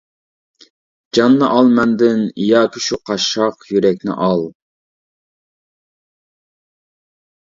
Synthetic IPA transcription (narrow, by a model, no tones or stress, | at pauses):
d͡ʒɑnːɨʔɑlˠmɛnd̪ɪnijɑːkʲʰyʃuqʰɑʃɑqjyɾɛk̚ʲnɪ̰ʔɑlˠ